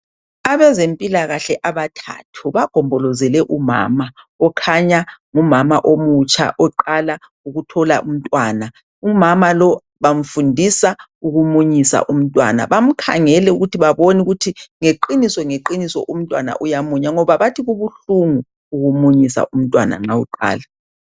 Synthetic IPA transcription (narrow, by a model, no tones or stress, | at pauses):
aβɛzempʼilaɣaɬɛʔaβatʰa̰tʰuβaɡ̥ʱɔmbʱɔlɔzɛlɛʔuma̰ma | ɔkʰaɲaŋumamaʔomut͡ʃʼʰa̰ʔɔǃala | uɣutʰɔla̰ʔum̩tʼwaːna | umamalɔ | βam̩fundʱisa | uɣumuɲisa̰ʔum̩tʼwa̰na̰βam̩kʰa̰ŋɛlɛuɣutʰiβaβonuɣutʰiŋeǃinisɔŋeǃinisɔ̰ʔum̩tʼwana̰ʔujamuɲaŋɔβaβatʰiɣuβuɬuŋuː | ɣumuɲisa̰ʔum̩tʼwana̰ŋ͡ǁawuǃa̰ːla